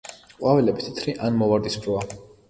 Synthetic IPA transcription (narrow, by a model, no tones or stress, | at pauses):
qʼwavɛlɛbit̪ʰi̥t̪ʰɾiʔanmɔvaɾd̪isbʰɾɔa